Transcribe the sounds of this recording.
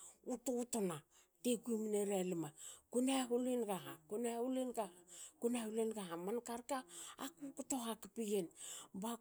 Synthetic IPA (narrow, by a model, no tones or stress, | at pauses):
utoutona | tekuimineɾalimakunaɦulinɡahakunaulinɡakunahulinɡahamankaɾkaakukutohakipiɡenba